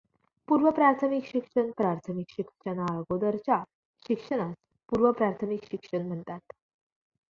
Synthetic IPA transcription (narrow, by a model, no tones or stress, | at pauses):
puɾʋəpɾaɾt̪ʰəmikɕikʂəɳpɾaɾt̪ʰəmikɕikʂənaɭɡod̪əɾt͡ɕa | ɕikʂəɽ̃as | puɾʋəpɾaɾt̪ʰəmikɕikʂəɳm̤əɳt̪at̪